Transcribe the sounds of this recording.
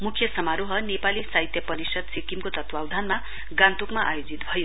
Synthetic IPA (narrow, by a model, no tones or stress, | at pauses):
mukʰjʌsʌmaɾoɦʌnepalisaɦit̪jʌpʌɾisʌd̪sekimkot̪ʌt̪wawd̪ʱanma | ɡãnt̪ukmaʔa̰jod͡zit̪bʱʌjo